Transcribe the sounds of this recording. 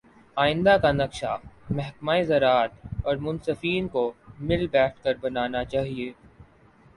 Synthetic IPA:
aːɪ̃nd̪akanɐkʃamɛɦkmaːezɐɾaːt̪ɔːɾmʊnsɐfiːnkomɪlbɛːʈ̚ʰkɐɾbɐnaːnat͡ʃaːɦieː

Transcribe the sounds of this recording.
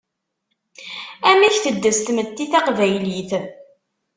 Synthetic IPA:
æmiçθəd̪ːəst̪mət̪ːiθɑqvæjliθ

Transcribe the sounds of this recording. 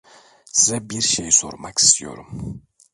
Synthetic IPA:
sizɛbiɾʃejso̞̰ɾmaki̥st̪ʰijo̞̰ɾum

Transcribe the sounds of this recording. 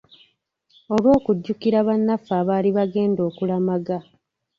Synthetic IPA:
o̞lwo̞ːkuɟːukiɾaβanːafːaːβaːliβaɡe̞ːndo̞ːkulamaɡa

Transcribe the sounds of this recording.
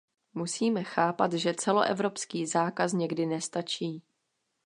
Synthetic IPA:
musiːmɛxaːpat̪ʒɛt͡sɛlo̰ʔɛ̰vɾo̞pskiːzaːkasɲɛɡdɪnɛst̪at͡ʃiː

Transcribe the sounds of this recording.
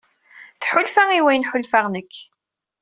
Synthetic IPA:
θħʊlfæiwæjənħʊlfaʁnəkː

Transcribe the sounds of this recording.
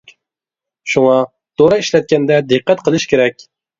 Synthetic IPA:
ʃuŋɑ | t̪ʰoɾɑiʃlɛt̪̚kʲɛnd̪ɛd̪ɨqːɛt̪qʰəlˠɨʃkʲʰeɾɛkʲ

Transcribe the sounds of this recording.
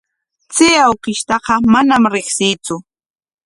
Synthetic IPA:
t͡sɪːawqɪʃt̪ɑqɑmanamɾɪχsɪːt͡sʊ

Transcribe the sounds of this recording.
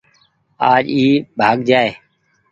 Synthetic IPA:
aːd͡ʒiːbʱaːɡd͡ʒaːeː

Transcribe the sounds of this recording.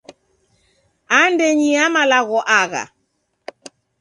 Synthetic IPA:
andɛɲiamalaɣɔʔaɣa̰

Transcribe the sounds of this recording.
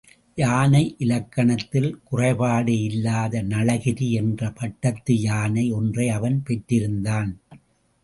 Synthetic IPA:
jaːnɐɪʔɪlɐkːɐɳɐt̪ːɪlkʊrɐɪpaːɽɯɪlːaːðɐnɐɭɐɣɪɾiɛndrɐpɐʈːɐt̪ːɯjaːnɐɪɔndrɐɪɐʋɐnpɛʈːɪɾɯnd̪aːn

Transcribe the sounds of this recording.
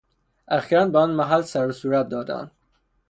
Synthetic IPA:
ʔæxiːɾæn̚bæɒnmæɦælsæɾosuːɾæt̪̚d̪ɒːd̪æ̰nd̪

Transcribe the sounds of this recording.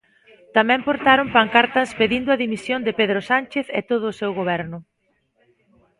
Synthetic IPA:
t̪amɛ̃mpoɾt̪aɾompaŋkaɾt̪ɐspeðind̪ʊɐðimisjond̪ɪpeðɾosanʲt͡ʃeθḛt̪oð̞ʊːsewɣoβɛɾnʊ

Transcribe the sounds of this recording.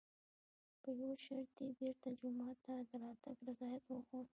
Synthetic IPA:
pəjoʃaɽt̪ebeɾt̪ad͡ʒʊmɑt̪ːad̪əɾɑt̪aɡɾazɑjat̪wəxo

